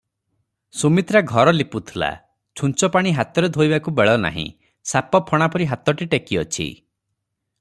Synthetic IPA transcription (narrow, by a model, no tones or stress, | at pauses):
sumit̪ɾaɡʱɔɾɔliput̪ʰila̰ | t͡ʃʰunt͡ʃɔpaɽ̃iɦat̪ɔɾed̪ʱojbakubeɭɔna̰ɦḭ̃ | sapɔpʰɔɽ̃apɔɾiɦat̪ɔʈiʈekiɔt͡ʃʰḭ